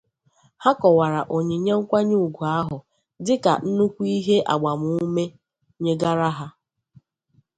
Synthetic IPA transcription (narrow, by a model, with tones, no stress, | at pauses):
ha˦kɔ˨wa˨ɾa˨ʔo˨ɲe˨ɲe˦ŋ̩˦kʷa˦ɲu˦u˨ɡu˨a˦ɦʊ˨ | dɪ˦ka̰˨n̩˦nu˦kʷu˦i˦ɦe˦ʔa̰˨ɡ͡ba˨mu˦me˦ | ɲe˦ɡa˦ɾa˦ɦa˦